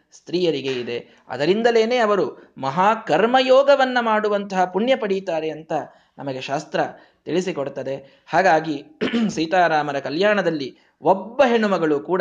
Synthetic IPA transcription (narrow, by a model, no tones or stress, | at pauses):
st̪ɾiːjɐɾiɡe̞id̪e̞ | ɐ̰d̪ɐɾind̪ɐle̞ːne̞ːɐʋɐɾumɐɦaːkɐɾmɐjɔːɡɐʋɐnːɐmaːɽuʋɐnt̪ɐɦɐpuɳjɐpɐɽit̪aːɾeɐnt̪ɐ | nɐmɐɡe̞ʃaːst̪ɾɐ | t̪iɭisikoɽt̪ɐd̪e̞ | haːɡaːɡisiːt̪aːɾaːmɐɾɐkɐljaːɳɐd̪ɐlːi | obːɐɦeɳumɐɡɐɭukuːɽ